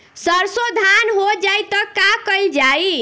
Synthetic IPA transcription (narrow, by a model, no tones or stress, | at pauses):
səɾsod̪ʱanɦod͡ʒajt̪ʌkakəjld͡ʒai